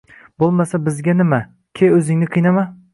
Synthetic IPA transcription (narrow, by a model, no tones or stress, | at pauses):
bolˠmasabɪzɡʲanɪma | kʲʰejɵzɪŋnɪqʰɨjnama